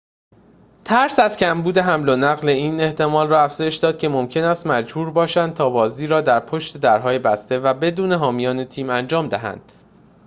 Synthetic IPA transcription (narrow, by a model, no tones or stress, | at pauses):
t̪ʰæɾsæzcʰæmbuːd̪e̞ɦæmlonæɣle̞iːne̞ht̪ʰe̞mɒːlrɒːæfz̥ɒːjeʃd̪ɒːd̪̚cʰʲe̞mo̞mcʰe̞næst̪mæd͡ʒbuːɾbɒːʃænd̪̚t̪ʰɒːbɒːziːɾɒːd̪æɾpʰo̞ʃt̪e̞d̪æɾɦɒːjebæst̪e̞væbe̞d̪uːne̞ɦɒːmijɒːne̞t̪ʰiːmænd͡ʒɒːmd̪æɦæ̰nd̪̥